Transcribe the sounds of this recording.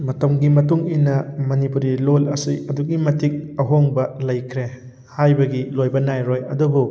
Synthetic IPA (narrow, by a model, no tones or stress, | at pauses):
mɐtɐmɡimɐtuŋinɐmɐnipuɾilolɐsiɐduɡimɐtʰik̚ɐɦoŋbɐlɐjkʰɾe | hajbɐɡilojbɐnajɾojɐdubu